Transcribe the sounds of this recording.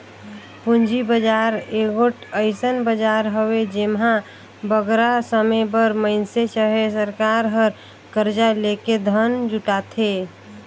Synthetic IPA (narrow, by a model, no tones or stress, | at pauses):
pund͡ʒibəd͡ʒaɾeɡoʈəɪsənbəd͡ʒaɾɦəwed͡ʒemɦã | bəɡɾasəmebəɾməɪnseʃəɦesəɾkaɾɦəɾ | kəɾd͡ʒaleked̪ʱənd͡ʒuʈat̪ʰe